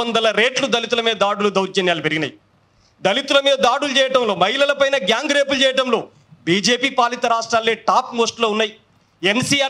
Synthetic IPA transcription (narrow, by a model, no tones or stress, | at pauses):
ɐnd̪ɐlɐɾe̞ːʈlud̪ɐlit̪̬ulɐmeːd̪aːɽulud̪ɐwɾt͡ʃɐnjaːlupeɾiɡinɐ̰ji | d̪ɐlit̪ulɐmeːɐd̪aːɽulut͡ʃɛːjɐʈɐmlo̞ːmɐɦilɐlɐpɐjnɐɡjaːŋɡɾeːpult͡ʃɛːjɐʈɐmlo̞ː | biːd͡ʒe̞ːpiːpaːlit̪ɐɾaːʂʈɾaːlːeːʈaːpmoːsʈlo̞ːunːaːji | ensiaː